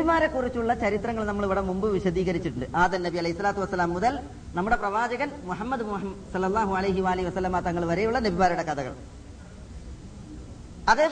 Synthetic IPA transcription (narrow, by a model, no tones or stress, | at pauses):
imaːɾɐkːurit͡ɕːuɭːɐt͡ɕɐɾit̪rɐŋːɐɭnɐmːɐɭʋiɽɐmumbɨʋiɕɐd̪iːɣɐɾit͡ɕːiʈːuɳɖɨʔaːd̪ɐnnɐbiɐlɐjisːɐlaːt̪ːuʋɐsːɐlaːmːuðɐl | nɐmːuɽe̞prɐʋaːd͡ʑɐɣɐnmuħɐmːɐd̪umuɐmsɐlːɐlˠːaːɦuɐlɐjɦiʋaːliɦiʋɐsɐlːɐmaːt̪ɐŋːɐɭʋɐɾejuɭːɐnebʱimaːɾuɽekɐðɐɣɐ̰ɭ | ɐðeː